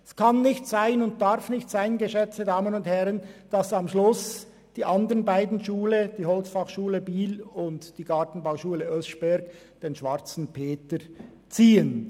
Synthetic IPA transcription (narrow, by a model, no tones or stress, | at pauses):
ɛskʰɑnːɪçtz̥aɪnʊnt̚d̥aɾfnɪçtz̥aɪnɡəʃɛt͡sədaːmənʊndhɛʁənd̥ɑsɑmʃlʊs | d̥iːʔɑndəɾənbaɪdn̩ʃuːləd̥iːhɔlt͡sfɑχʃuːləbiːlʊntd̥iːɡ̥ɑʁtn̩baʊʃuːləœsʃb̥ɛɾk | d̥eːnʃv̥aʁt͡sn̩pʰeːtə | t͡siːən